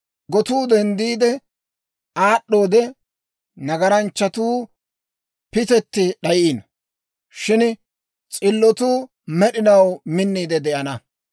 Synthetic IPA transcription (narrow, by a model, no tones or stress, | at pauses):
ɡɔt̪uːd̪ɛnd̪iːd̪ɛ | aːɗːo̞ːd̪ɛ | nɐɡɐɾɐnt͡ʃːɐt̪uː | pɪt̪ɛt̪ːɪɗɐjiːn | ʃɪn | t͡sʼɪlːɔt̪uː | mɛɗɪnɐwmɪnːiːd̪ɛd̪ɛʔɐnɐ